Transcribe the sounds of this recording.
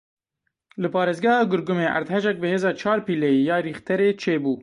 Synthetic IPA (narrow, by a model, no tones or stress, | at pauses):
lɨpɑːɾeːzɡæhɑːɡʊɾɡʊmeːʔæ̰ɾd̪hɛʒɛk̚bɨheːzɑːt͡ʃʰɑːɾpiːlɛjijɑːɾiːxt̪ɛɾeːt͡ʃʰeːbuː